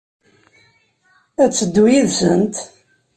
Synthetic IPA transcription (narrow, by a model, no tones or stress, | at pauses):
æt͡sːəd̪ːujiðsə̰nt̪